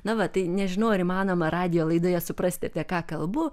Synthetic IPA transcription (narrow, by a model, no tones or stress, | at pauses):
nɐʋɐt̪ɐɪnʲɛʒʲɪnoʊːɐɾʲɪmɑːnoːmɐrɑːd̪ʲɪjoːlˠɐɪd̪oːjɛsʊprɐsʲt̪ʲɪɐpʲiɛkɑːkɐlˠbʊ